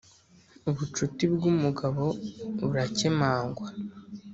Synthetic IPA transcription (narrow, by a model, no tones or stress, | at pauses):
uβut͡ʃutibɡumuɡaβo̞βuɾacemaːŋɡwa